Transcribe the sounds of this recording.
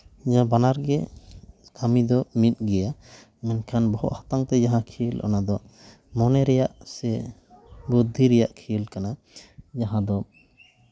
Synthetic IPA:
d͡ʒaãbanaɾɡɛ | kʰamid̪ɔmit̪̚ɡɛja | mɛnkʰanbɔhɔ̰ʔhḁt̪aŋt̪ɛd͡ʒaɦãkʰilʔɔ̰nad̪ɔ | mɔnɛɾɛjaʔsɛ | bud̪ʱːiɾɛjaʔkʰilkana | d͡ʒaɦãd̪ɔ

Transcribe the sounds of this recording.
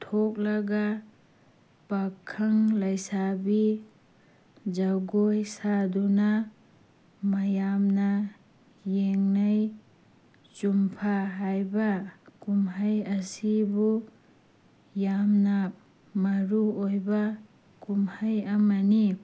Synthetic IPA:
t̪ʰok̚laɡa | pakʰːaŋlajsabi | d͡ʒaɡojsaduna | majamna | jeŋnaj | t͡ʃumpʰaɦajbakumɦajasibu | jamnap̚ | maɾuojba | kumhajamani

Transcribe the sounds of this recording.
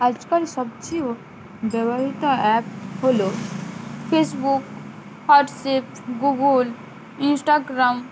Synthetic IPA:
ɐd͡ʒkəlsɐb̚t͡ʃi | bəʋəɦit̪aɛːpɦoːloː | pʰeːsbuk | haːʈseːp | ɡuɡəl | ɪnsʈaːɡɾam

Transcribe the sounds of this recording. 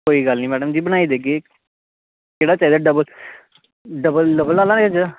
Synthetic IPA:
koːiːɡəlnĩːmɛːɖəmd͡ʒiːbəñaːiːd̪eːke | keːɽaːt͡ʃaːiːd̪aːɖəbəl | ɖəbəlɖəbəlaːlãːnekɪd͡ʒ

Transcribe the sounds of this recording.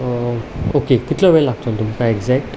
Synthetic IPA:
okekit̪ʰləʋeɭlaɡt̪ont̪umkaeɡd͡zɛk̚ʈ

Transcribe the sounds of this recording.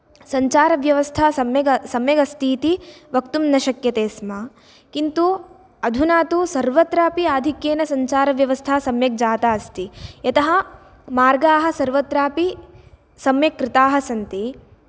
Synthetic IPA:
sɐɲt͡ʃaːɾɐʋjɐʋɐst̪ʰaɐmjɐɡɐsɐmjɐɡɐst̪iːt̪iʋɐkt̪umnɐʃɐkjɐt̪eːsmɐ | kint̪u | ɐd̪ʱunaːt̪usɐɾʋɐt̪ɾaːpiaːd̪ʱikjeːnɐsɐɲt͡ʃaːɾɐʋjɐʋɐst̪ʰaːsɐmjɐk̚d͡ʒaːt̪aːst̪ijɐt̪ɐɦɐ | maːɾɡaːɦɐ̆sɐɾʋɐt̪ɾaːpi | sɐmjɐkːɾɪt̪aːɦɐsɐnt̪i

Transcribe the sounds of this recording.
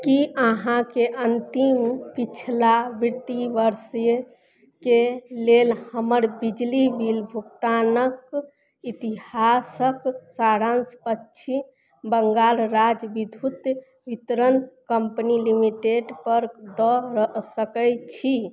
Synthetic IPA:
kiəɦãkeʔənt̪impit͡ʃʰlabiɾt̪ibəɾsj | kelelhəməɾbid͡ʒlibilbʱukt̪anək | it̪ihasəksaɽanspətːʃʰi | bəŋɡalɾad͡ʒbid̪ʱut̪ | ʋit̪ɾənkəmpnilimiʈeɖpəɾd̪ɔɾəsəkəjt͡ʃʰi

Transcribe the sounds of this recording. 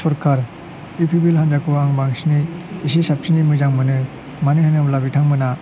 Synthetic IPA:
sɔɾkʰaɾ | ipʰibilhandakuaŋbaŋsniːs̬isap̚sinimɯjzaŋmɯnɯ | manɯhanɯblabitʰaŋmɯna

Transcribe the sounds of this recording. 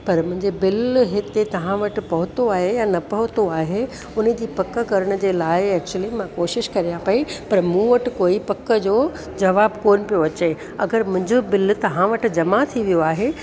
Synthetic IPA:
pɐɾmʊ̃ɦɪ̃ɲd͡ʑebɪlɦɪt̪et̪ɐʋ̤ãʋɐʈɪ̆pɐɦʊt̪oaːɦejanɐpɐɦʊt̪oaːɦe | ʊnə̆d͡ʑiːpɐkə̆kɐɾəɽ̃d͡ʑeːlaːɪɛːk̚t͡ɕuəlimãkoːʃɪʃkɐɾijapɐipɐɾmũːʋɐʈɪ̆koːipɐkə̆d͡ʑoː | d͡ʑɐʋaːbkoːnɪpijoɐt͡ɕe | ɐ̰ɡəɾmʊ̃ɦɪ̃ɲd͡ʑobɪlt̪ɐʋ̤ãʋɐʈ̆d͡ʑɐmat̪ʰiʋijoaːɦe

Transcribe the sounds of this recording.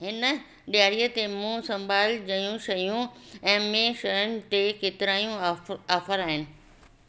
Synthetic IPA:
ɦɪn | ɗijaːɾijət̪emũːsɐ̃mbʱaːld͡ʑɐjũʃɐjũɛ̃ːmẽʃɐjəñɪ̆t̪ekeːt̪ɪɾaːijũaːfəɾaːɦɪnɪ̆

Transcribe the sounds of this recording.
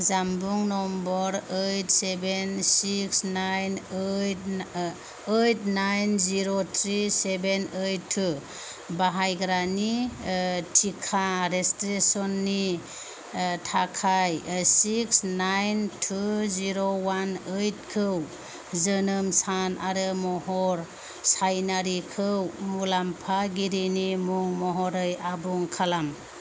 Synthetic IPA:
zambuŋnɔmbɔɾejtsebensiksnajnejt | ejtnajnziɾotʰɾisebenəjtʰːu | baɦajɡɾani | tʰikʰaɾestɾesɔnːi | tʰakʰajsiksnajntʰuziɾowanɯjt̚kʰɯw | zɯnɯmsanʔaɾɯmɔɦɔɾ | sajnaɾikʰɯwmulampʰaɡiɾinimuŋmɔɦɔɾɯjabuŋkʰalam

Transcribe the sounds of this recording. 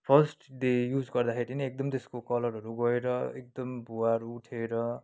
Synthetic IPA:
pʰʌsʈd̪ejud͡zɡʌrd̪akʰeɾinʌek̚d̪ʌmt̪eskokʌlʌɾʌɾuɡʌeɾʌek̚d̪ʌmbuwaɾuːʈʰeɾʌ

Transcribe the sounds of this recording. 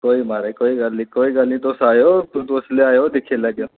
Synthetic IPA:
koːimaːɾekoːiɡɐlːikoːiɡɐlĩd̪oːsaːjot̪ũt̪oːsleaːjod̪ɪkʰelɐɡjoː

